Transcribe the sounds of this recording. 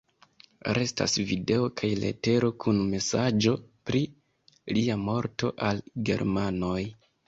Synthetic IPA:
ɾʔe̞sta̰svide̞o̞kʰajle̞̰te̞ɾo̞kʰunme̞sad͡ʒo̞pɾi | liamo̞ɾto̞ʔalɡe̞̰ɾmano̞j

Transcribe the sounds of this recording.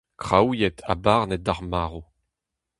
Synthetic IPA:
kʁawjɛtʰa̰baʁnɛt̚daʁmaːʁo

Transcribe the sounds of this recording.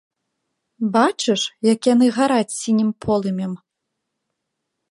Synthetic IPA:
bat͡ʂɨʂjɐkjan̪ɨɣaɾat͡sʲsʲinʲimpʰɔlˠɨmʲɛm

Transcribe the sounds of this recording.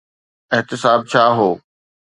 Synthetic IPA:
ɪɦt̪ɪsaːb̚t͡ɕʰaːɦoː

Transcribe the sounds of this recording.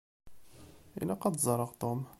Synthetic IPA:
ʔḭlːæqɑd̪zˤɑɾˤːɑʁt̪ˤom

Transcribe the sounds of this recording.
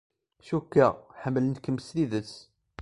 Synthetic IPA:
ʃukːaħəmːlənt̪kːəmːsliðət͡sː

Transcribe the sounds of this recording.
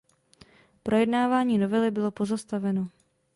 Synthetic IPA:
pɾo̞jɛdnaːvaːɲiːno̞vɛlɪbɪlo̞po̞zast̪avɛno̞

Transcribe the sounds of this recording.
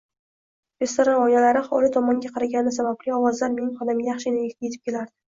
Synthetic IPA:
ɾe̞st̪oɾɒnɒjalaɾɪχɒlɪt̪ʰɒmɒŋɡʲaqʰɑɾaɡʲanɪɪsabablɪɒwɒzlaɾmenɪχɒd̪amɡʲajɑχʃɪnɪekʲt̪ʰjet̪ʰɪ̥pkʲʰe̞laɾd̪ɪ

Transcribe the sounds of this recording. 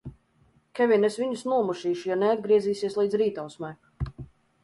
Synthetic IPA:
kʲɛvʲiɛnesviɲusnuɔmuʃiːʃujanɛad̪̚ɡɾiɛziːsiɛslˠiːd̪zɾiːt̪awsmɛːk

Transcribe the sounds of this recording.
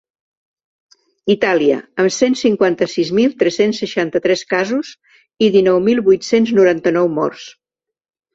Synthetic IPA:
it̪aliə̰əmsensiŋkwant̪əsizmilˠt̪ɾɛsensːəʃant̪ət̪ɾɛskazuz | iðinɔwmilˠβujt̪senznuɾant̪ənɔwmɔ̰rs

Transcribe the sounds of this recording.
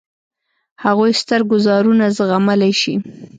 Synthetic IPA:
haɣojst̪əɾɡʊzɑɾunazɣaməlaʃi

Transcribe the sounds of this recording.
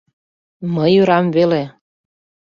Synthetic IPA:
məjyɾɑmvele

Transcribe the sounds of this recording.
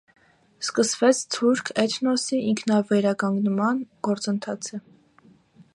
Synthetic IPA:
skəsvɛt͡sʰt̪ʰuɾkʰɛt̪ʰnɔsiʔiŋkʰnɑvɛɾɑkɑŋɡnmɑnɡ̥ɔɾt͡sənt̪ʰɑt͡sʰə

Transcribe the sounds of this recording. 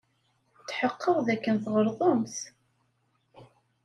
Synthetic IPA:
t͡sːħəqːəʁðækːənθʁəɾðˤəmθ

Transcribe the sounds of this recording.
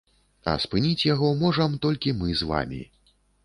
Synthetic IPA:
ɐ̰spɨnʲit͡sʲjaɣɔmɔʐɐmt̪ɔlʲkʲimɨzva̰mʲḭ

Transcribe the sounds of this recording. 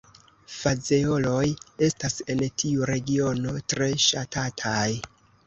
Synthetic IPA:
fad͡zeo̞lo̞je̞stase̞ntʰiuɾe̞ɡio̞no̞tɾe̞ʃatʰatʰaj

